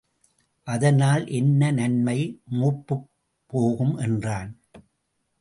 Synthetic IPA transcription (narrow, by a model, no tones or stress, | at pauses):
ʔɐðɐnaːlʔɛnːɐnɐnmɐɪmuːpːɯː | oːɣɯmʔɛndraːn